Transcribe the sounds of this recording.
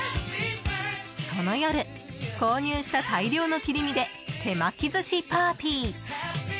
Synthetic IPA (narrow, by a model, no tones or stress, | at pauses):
so̞no̞joɾɯ̟ | ko̞ːɲ̟ɨːɕi̥t̪at̪aiɾʲo̞ːno̞kʲiɾʲimʲid̪e̞ | t̪ʰe̞makʲizɨɕipaːpʲiː